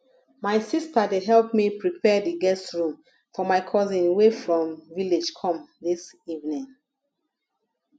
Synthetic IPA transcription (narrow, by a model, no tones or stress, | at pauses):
maɪsistədeɦɛlp̚mipɹipʰɛdiɡɛstɹũm | fɔmaɪkʰɔzĩnwefɹɔ̃mviled͡ʒkʰɔ̃mðisivnĩŋ